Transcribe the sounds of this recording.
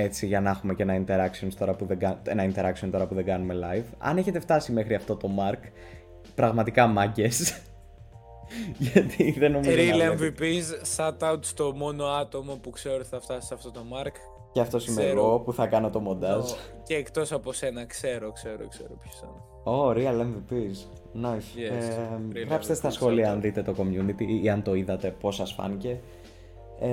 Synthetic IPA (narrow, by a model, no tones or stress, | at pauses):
e̞t͡siʝɐnɐxume̞ce̞nɐint̪e̞ɾɐksio̞nst̪o̞ɾɐpuðeɡɐe̞nɐint̪e̞ɾɐksio̞nt̪o̞ɾɐpuðe̞ŋɡɐnume̞lɐjvɐ̰ne̞çe̞t̪eft̪ɐsime̞xɾiɐft̪o̞t̪o̞mɐɾk | pɾɐɣmɐt̪ikɐmɐɟe̞s | ʝɐɐt̪ʰiðenomiɾilevipizːɐt̪ɐut̪st̪o̞mo̞no̞ɐt̪o̞mopukse̞ot̪iθɐft̪ɐsi̥sɐft̪o̞t̪o̞mɐɾk | ceɐft̪o̞simeɣo̞puθɐkɐno̞t̪o̞mo̞nd̪ɐzceːkt̪o̞sɐpose̞nɐkse̞ɾokse̞ɾo̰kseɾopço̥sɐn | oɾiɐlemvipiz | nos | ɣɾɐpst̪est̪ɐsxo̞liɐɐnðit̪e̞t̪o̞ko̞mjunit̪iiɐnt̪o̞iðɐt̪e̞po̞sɐsfɐ̰nce̞